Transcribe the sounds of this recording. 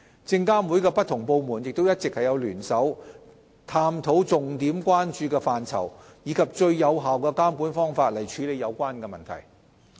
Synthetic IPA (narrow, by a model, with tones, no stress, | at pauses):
t͡sɪ˧ŋkaː˥mwu˨˥jkɛː˧pɐ˥t̚t̪ʰʊ˨˩ŋpo˧wmuː˨˩njɪ˨k̚t̪o˥wjɐ˥t̚t͡sɪ˨k̚hɐ˨jɐ˨˧wlyː˨˩nsɐ˨˥w | t̪ʰaː˧mt̪ʰo˨˥wt͡sʊ˨ŋt̪iː˨˥mkʷwaː˥nt͡ʃyː˧kɛː˧faː˨nt͡sʰɐ̰˨˩wjiː˨˧˥kʰɐ˨p̚t͡ʃɵ˧ɥjɐ˨˧wɦaː˨wkɛː˧kaː˥mkuː˨˥nfɔː˥ŋfaː˧t̚lɐ˨˩jt͡ʃʰyː˨˥le˨˧jɐ˨˧wkʷwaː˥nkɛ˧mɐ˨nt̪ʰɐ̰˨˩j